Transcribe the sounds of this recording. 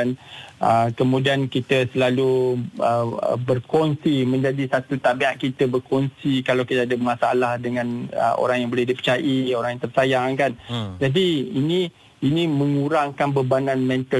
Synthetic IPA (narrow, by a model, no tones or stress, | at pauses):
anəkəmũdiankit̪əsəlaluə̰bərkɔnsimə̃ɲd͡ʒadisat̪ut̪abiaʔ̚kit̪əbərkɔnsikalawkit̪əadəmãsaalahdəŋãnə̰ʔo̰ɾaŋjaŋbolehdipə̥t͡ʃaʔioɾaŋjãŋt̪ərsajaŋkand͡ʒadiinĩ | inĩmə̃ŋuɾaŋkanbəbananmɛ̃nt̪ə